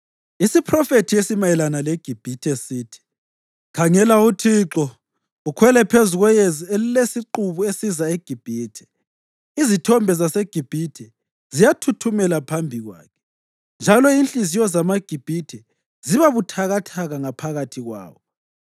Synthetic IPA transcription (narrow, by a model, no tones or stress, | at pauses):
isipʰrɔfetʰijesimajɛlanaleɡ̥ʱib̥ʱitʰɛsiːtʰi̥ | kʰaŋɛlautʰiǁɔ | ukʰwɛlɛpʰezuɣwɛjezelilesiǃuβuesizaeɡ̥ʱib̥ʱiːtʰɛ̥ | izitʰɔmbʱɛzaseɡ̥ʱib̥ʱitʰɛ | zijatʰutʰumɛlapʰambʱiɣwa̰ːkʰɛ̥ | nd͡ʒʱalɔinɬʼizijɔzamaɡ̥ʱib̥ʱitʰɛ | ziβaβutʰaɣatʰaɣaŋapʰaɣatʰiɣwa̰ːβɔ